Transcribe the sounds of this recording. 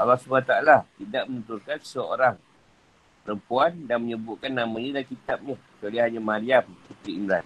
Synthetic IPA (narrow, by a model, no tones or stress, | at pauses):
alasubat̪aalat̪idaʔ̚mənut̪ulkansəo̰ɾaŋ | pəɾəmpuandanməɲəbuʔkanːamãɲalakit̪ap̚ɲat͡ʃaliɦaɲamaɾiamsət̪ɾiimɾan